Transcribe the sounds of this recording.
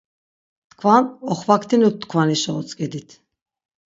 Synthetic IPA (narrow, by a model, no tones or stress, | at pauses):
t̪kʰvanɔχvakʰt̪ʰinut̪̚ːkʰvaniʃɔɔt͡sʼkʼɛd̪it̪ʰ